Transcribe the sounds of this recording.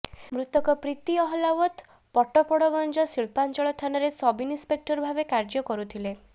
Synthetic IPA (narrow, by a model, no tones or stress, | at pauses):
mɾut̪ɔkɔpɾit̪iɔɦɔlawɔt̪ | pɔʈɔpɔɽɔɡɔnd͡ʒɔsiɭpant͡ʃɔɭɔt̪ʰanɔɾesɔbinispek̚ʈɔɾbʱabekaɾd͡ʒɔkɔɾut̪ʰile